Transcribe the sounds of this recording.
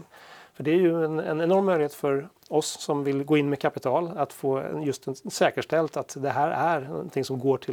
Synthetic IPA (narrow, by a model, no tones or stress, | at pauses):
fœɖɛæɾjɵnɛ̰nɛnɔɾmːœj̪ɪheːt̪fœɾ | ɔsːɔmvɪlɡoːɪnːmɛkʰapɪt̪ʰɑːlat̪foːɛ̰njɵst̪ɛnsɛːkəʂʈɛlt̪at̪d̪ɛɦæːɾæɾnɔ̰nt̪ʰɪŋsɔmɡoːʈʰɪ